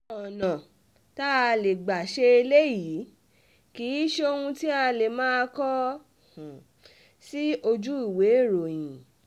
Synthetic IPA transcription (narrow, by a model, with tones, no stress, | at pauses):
ɔ˨nã˨ | ta˦˧le˨ɡ͡ba˨ʃe˧e˧le˦jiː˨˦ | kiː˨˦ʃe˦o˧hũ˧ti˦a˧le˨mãː˦˧˦kɔ̃˦˨ | si˦o˧d͡ʒu˦i˦˨we˨˦˨ɾo˨j̃ĩ˨